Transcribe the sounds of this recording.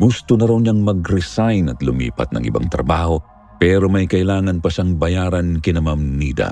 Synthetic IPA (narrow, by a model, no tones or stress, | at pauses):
ɡust̪ʊnɐɾawɲaŋmɐɡɾɛsajnɐt̪lʊmḭːpɐ̰t̪̚nɐ̰ŋʔɪ̰ba̰ŋt̪ɾɐ̰baːho̞ | pɛɾo̞mɐjkɐʔɪlaːŋɐnpɐʃaŋbɐjaːɾɐnkɪnɐmɐmniːd̪ɐ̰